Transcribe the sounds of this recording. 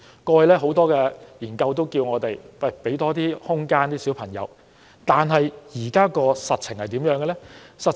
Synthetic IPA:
kɔː˧jlɛː˥ɦo˨˥wt̪ɔː˥kɛː˧jiː˨˩nkɐ˧wt̪o˥wkiː˧wŋɔː˨˧t̪e˨jpɐ˥˨˩pe˨˥jt̪ɔː˥t̪iː˥hʊ˥ŋkaː˥nt̪iː˥siː˨˥wpʰɐ˨˩ŋjɐ̰˨˧w | t̪aː˨nɦɐ˨jjiː˨˩kaː˥kɔː˧sɐ˨t̚t͡ʃʰɪ˨˩ŋhɐ˨jt̪iː˨˥mjœː˨˧˥ŋɡɛ˧lɛ˥sɐ˨t̚

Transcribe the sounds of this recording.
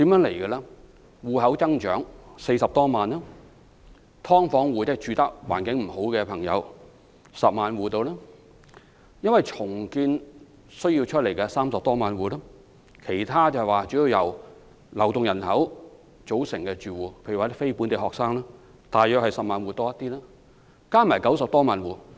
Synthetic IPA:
t̪i˨˥mjœː˨˥ŋle˨˩jkɛ˧laː˥ | wuː˨˩ɦɐ˨˥wt͡sɐ˥ŋt͡ʃœ̰ː˨˥ŋse˧jsɐ˨p̚t̪ɔː˥maː˨nːɐː˥ | t̪ʰɔː˥ŋfɔː˨˥ŋwuː˨t̪ɛː˥t͡ʃyː˨˧t̪ɐ˥k̚waː˨˩nkɪ˨˥ŋm̩˨˩ho˨˥wkɛː˧pʰɐ˨˩ŋjɐ̰˨˧w | sɐ˨p̚maː˨˧nwuː˨˩t̪o˧wlɛː˥ | jɐ˥nwɐ˨jt͡sʰʊ˨˩ŋkiː˧n | sɵ˥ɥji˧wt͡ʃʰɵ˥t̚le˨˩jkɛ˧saː˥msɐ˨p̚t̪ɔː˥maː˨nwuː˨˩laː˥ | kʰe˨˩jt̪ʰaː˥t͡sɐ˨hwaː˨˩t͡ʃyː˨˥ji˧wjɐ˨˩w | lɐ˨˩wt̪ʊ˨ŋjɐ˨˩nhɐ˨˥w | t͡so˨˥wsɪ˨˩ŋkɛː˧t͡ʃyː˨wuː˨˩pʰe˨˧jɥy˨˩waː˨˧t̪fe˥jpuː˨˥nt̪e˨˩hɔː˨k̚saː˥ŋlaː˥ | t̪aː˨jːœː˧˨khɐ˨jsɐ˨p̚maː˨nwuː˨t̪ɔː˥jɐ˥t̪iː˥laː˥ | kaː˥maː˨˩jkɐ˨˥ws̬ɐ˨p̚t̪ɔː˥maː˨nwuː˨

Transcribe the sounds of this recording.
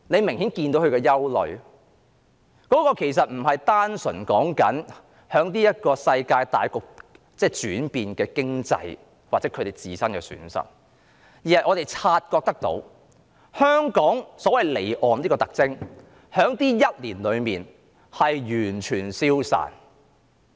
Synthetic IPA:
ne˨˧jmɪ˨˩ŋhiː˨˥nkiː˧nt̪o˧˥whʰkɛ˧jɐ˥wlɵ̰˨ɥ | kɔː˨˥kɔː˧kʰe˨˩js̬ɐ˨t̚m̩˨˩ɦɐ˨jt̪aː˥nsɵ˨˩nkɔː˨˥ŋkɐ˨˥n | hœː˨˥ŋt̪iː˥jɐ˥t̚kɔː˧sɐ˧jkaː˧jt̪a̰ː˨jkɔː˧k̚ | t͡sɛː˥˩t͡ʃyː˨˥npiː˧nkɛː˧kɪ˥ŋt͡sɐ̰˧j | waː˨t͡sɛː˨˥kʰɵ˨˧ɾe˨˩jt͡siː˨˩sɐ˥nkɛ̰ː˧sy̰ː˨˥nsɐ̰˨t̚ | jiː˨˩hɐ˨˩jʔɔː˨˧ɾe˨jt͡sʰaː˧t̚kɔː˧k̚t̪ɐ˥k̚t̪o̰˨˧˥w | hœː˥ŋkɔː˨˥ŋsɔː˨˥wɐ˨jle˨˩jʔɔː˨nliː˥kɔ˧t̪ɐ˨k̚t͡sɪ˥ŋ | hœː˨˥ŋt̪iː˥jɐ˥t̚liː˨˩nlɵ˨˧ɥmiː˨n | hɐ˨jjyː˨˩nt͡ʃʰyː˨˩nsiː˥wsa̰ː˨˩n

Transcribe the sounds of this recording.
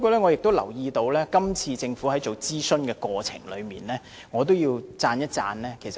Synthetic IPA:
kɔː˧lɛː˥ŋɔ˨˧jɪ˨k̚t̪o˥wlɐ̰˨˩wjiː˧t̪o˧wlɛː˥kɐ˥mt͡sʰiː˧t͡sɪ˧ŋfu˨˥hɐ˨˥jt͡so˨˩wt͡siː˥sɵ˥nkɛː˧kwɔː˧t͡sʰɪ̰˨˩ŋlɵ̰˨˧ɥmḭː˨˩nlɛː˥ | ŋɔː˨˧t̪̬o˥wjiː˧wt͡saː˧njɐ˥t̚t͡sa̰ː˧nlɛː˥kʰe˨˩jsɐ˨

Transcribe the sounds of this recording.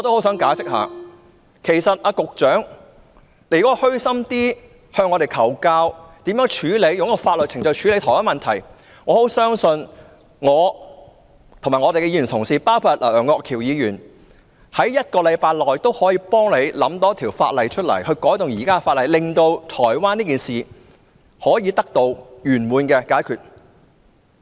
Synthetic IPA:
ŋɔː˨˧t̪o˥who˨˥wsœː˨˥ŋkaː˨˥sɪ˥k̚ha̰ː˨˧ | kʰe˨˩jsɐ˨t̚aː˧kʊ˨k̚t͡ʃœː˨˥ŋ | le˨˩kɔː˥hɵ˥ɥsɐ˥mt̪iː˥ | hœː˧ŋɔː˨˧ɾe˨˩jkʰɐ˨˩wkaː˧wt̪iː˨˥mjœː˨˥ŋt͡ʃʰyː˨˥le˨˧jʊ˨˧ŋjɐ˥kːɔ˧faː˧t̚lɵ˨t̚t͡sʰɪ˨˩ŋt͡sɔ˨˧wt͡ʃʰyː˨˧le˨˧jt̪ʰɔ˨˩waː˥mɐ˨nt̪ʰɐ˨˩j | ŋɔː˨˧ho˨˥wsœː˥ŋsɵ˧n | ŋɔː˨˧ | t̪ʰo˨ŋmaː˨˩ŋɔː˨˧e˨jkɛ˧jiː˨˧jy˨˩t̪ʰʊ˨˩ŋsiː˨˩paː˥wpʰaː˧˩t̚ʔœː˨˩ŋːɔː˧kʰiː˨˩wjiː˨˧jyː˨˩n | hɐ˨˥jːɐ˥t̚kɔː˧lɐ˨˧jpaː˧jlɔː˨jt̪o˥whɔː˨˥jiː˧pɔː˥ŋle˨˧jlɐ̰˨˥mt̪ɔː˨˥t̪ʰiː˨˩wfa̰ː˧t̚lɐ˨˧jt͡ʃʰt̚lɐ̰˨˩jhɵ˧ɥkɔː˨˥jt̪ʊ˨ŋjiː˨˩kaː˥kfaː˧t̚lɐ˨jlɪ˨ŋt̪o˧wt̪ʰɔː˨˩jwaː˥niː˥kiː˨˩nsiː˨ | hɔː˨˥jiː˧t̪ɐ˥k̚t̪o˧wjyː˨˩nmuː˨˧nkɛː˧kaː˨˥jkʰyː˨t̚

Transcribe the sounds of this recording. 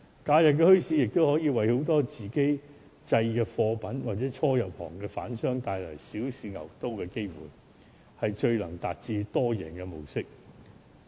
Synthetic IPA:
kaː˧jɐ˨˩p̚kɛː˧hɵ˥ɥsiː˨˥jɪ˨k̚t̪o˥whɔː˨˥jiː˧wɐ˨jho˨˥wt̪ɔː˥t͡siː˨ke˥j | t͡sɐ˧jkɛ˧fɔː˧pɐ˨˥nwaː˨t̚t͡sɛː˨˥t͡ʃʰɔː˥jɐ˨w̚hɔ̰ː˨˩ŋkɛː˧fa̰ː˨˥nsœː˥ŋt̪aː˧jlɐ˨˩jsiː˨˥wsiː˨˧ŋɐ̰˨˩wt̪o˥wkɛː˧ke˥jwṵː˨˩j | hɐ˨jt͡ʃɵ˧ɥlɐ˨˩ŋt̪aː˨t̚t͡siː˧t̪ɔː˥jɛ̰ː˨˩nkɛ˧mo̰˨˩wsɪ˥k̚

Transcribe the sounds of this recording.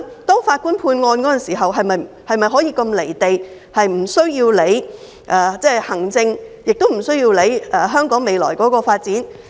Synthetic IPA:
t̪ɔː˥ŋfaː˧t̚kuː˥npʰuː˧nŋɔː˧nkɔː˨˥ɐ˨nsiː˨˩ɦɐ˨wɦɐ˨jmɐ˨j | hɐ˨jmɐ˨jɦɔː˨˥jiː˧kɐ˧mle˨˩jt̪e˨j | hɐ˨jm̩˨˩sɵ˥ɥjiː˧wle˨˧j | ʔɛː˧t͡sɛː˥hɐ˨˩ŋt͡sɪ˧ŋjɪ˨k̚t̪o˥wm̩˨˩sɵ˥ɥjiː˧wle˨˧jɛː˨˩ɦœː˥ŋkɔː˨˥ŋme˨jlɔ̰ː˨˩jkɔː˨˥kɔː˧faː˧t̚t͡siː˨˥n

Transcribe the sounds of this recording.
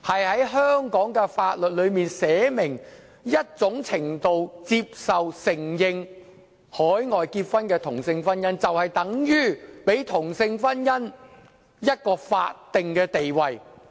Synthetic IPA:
hɐ˨jhɐ˨˥jɦœː˥ŋkɔː˨˥ŋkɛː˧faː˧t̚lɵ˨t̚lɵ˨˧ɥmiː˨nsɛː˨˥mɪ˨˩ŋ | jɐ˥t̚t͡sʊ˨˥ŋt͡sʰɪ˨˩ŋt̪o˨wt͡siː˧p̚sɐ˨wsɪ˨˩ŋjɪ˨˧ŋ | hɔː˨˥jŋɔː˨jkiː˧t̚fɐ˥nkɛː˧t̪ʰʊ˨˩ŋsɪ˧ŋfɐ˥njɐ˥nt͡sɐ˨whɐ˨jt̪ɐ˨˥ŋjyː˥pe˨˥jt̪ʰʊ˨˩ŋsɪ˧ŋfɐ˥njɐ˥n | jɐ˥t̚kɔː˧fa̰ː˧t̚t̪ɪ˨ŋkɛː˧t̪e˨jwɐ˨j

